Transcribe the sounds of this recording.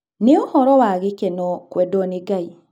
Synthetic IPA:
neohɔɾɔwaɣekenɔkwɛdɔneɡai

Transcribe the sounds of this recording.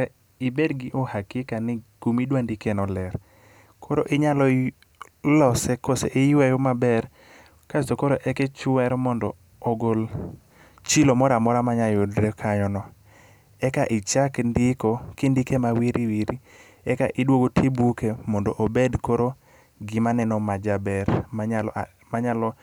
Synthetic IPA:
ɪbedɡɪʔohakɪkanɪɡ̥umidwandikenɔlɛɾ | kʰoɾo̰ʔɪɲalɔ | lɔsɛkoseʔejwajomabɛr | kasokoɾoʔɛkɛt͡ʃwɛɾmɔndɔː | ɡol | t͡ʃilomɔɾamɔɾamaɲajodɾɛkʰaɲɔnɔ | ɛkaʔɪt͡ʃakndɪkɔkindɪkemawiɾʔiwiɾi | ɛka̰ʔɪdwoɡotʰibukemɔndɔʔobedkoɾo | ɡɪmanɛnɔmad͡ʒabɛɾmaɲal | maɲalɔ

